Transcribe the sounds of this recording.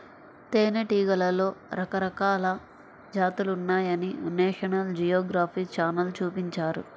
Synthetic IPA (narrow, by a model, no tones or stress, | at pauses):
t̪eːneʈiːɡɐlɐlo̞ːɾɐkɐɾɐkaːlɐ | d͡ʒaːt̪ulunːaːjɐninɛːʂɐnɐld͡ʒijoːɡɾaːpʰiːt͡ʃaːnɐlt͡ʃuːpiɲt͡ʃaːɾṵ